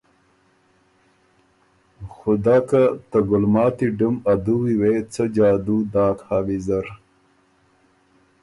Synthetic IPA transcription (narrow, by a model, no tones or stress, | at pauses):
xʊd̪ɑːkat̪əɡʊlmɑːt̪iɖumad̪uwiwet͡səd͡ʒɑːd̪ud̪ɑːkhaːwizɐɾ